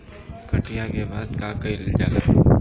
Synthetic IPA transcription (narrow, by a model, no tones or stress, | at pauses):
kɐʈijakebaːd̪kakɐɪld͡ʒaːla